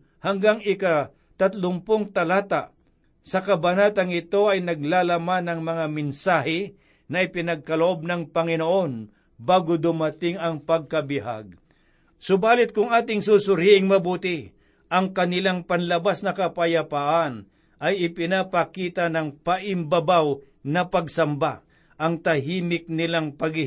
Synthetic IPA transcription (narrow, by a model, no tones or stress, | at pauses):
hɐŋɡaŋɪka | t̪ɐt̪lʊŋpoŋt̪ɐlaːt̪aʔ | sɐkɐbɐnat̪ɐŋɪt̪o̞ɐjnɐɡ̚lalɐmanɐŋmɐŋamɪnsaːɦɪ | nɐʔɪpɪnɐɡ̚kɐloʔo̞b̚nɐŋpɐŋɪnoʔo̞n | baːɡod̪ʊmɐt̪ɪŋɐŋpɐɡ̚kɐbɪɦa̰ɡ̚ | sʊbaːlɪt̪̚kʊŋaːt̪ɪŋsusʊɾiʔɪŋmɐbuːt̪ɪ | ʔɐŋkɐnɪlaŋpɐnlɐbasnɐkɐpɐjɐpaʔan | ʔɐjɪpɪnapɐkiːt̪ɐnɐŋpɐʔɪmbɐbaw | nɐpɐɡsɐmba | ʔɐŋt̪ɐɦiːmɪk̚nɪlaŋpɐɡɪ